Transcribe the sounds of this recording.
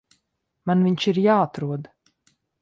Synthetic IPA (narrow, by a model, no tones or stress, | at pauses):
manviɲʃiɾjaːat̪ɾuɔd̪